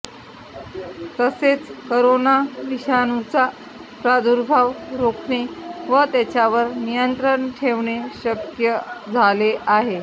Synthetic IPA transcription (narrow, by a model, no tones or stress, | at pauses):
t̪əset͡skoɾonaʋiɕanut͡sa | pɾad̪uɾbʱaʋɾokɳiʋət̪at͡ɕjaʋəɾnijənt̪ɾəɳʈʰeʋɳeɕəkjəd͡zʱaleʔaɦe